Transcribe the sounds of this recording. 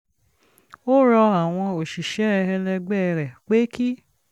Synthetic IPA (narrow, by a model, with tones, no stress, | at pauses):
o˦ɾɔ˧a˨w̃ɔ̃˧o˨ʃi˨ʃɛ˨˦ɛ˧ɛ˧lɛ˧ɡ͡bɛ˦˨˧ɾɛ˨k͡pe˨˦ki˦